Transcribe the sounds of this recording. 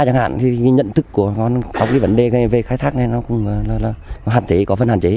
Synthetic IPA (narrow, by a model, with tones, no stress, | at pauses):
t͡ɕa˧nha̰ː˧˨nki˨˧˨kɲə̰˧˨nt̪ʰɨ˦˥kːu˧˩əkɔ˨˦nt͡ɕɔ˨˧˦wŋ͡mkaː˨˦jvə˨˦nɗe˨˩ə˨˩ve˨˩xaː˧˦jt̪ʰaː˦˥k̚na˨˩jnɔ˨˦kʊ̰˧˥wŋ͡mŋɨ˨laː˨˩laː˨˩˨ɦaː˨˩nt͡ɕe˨˦kɔ˨˦fə˧nhaː˨˩nt͡ɕe˨˦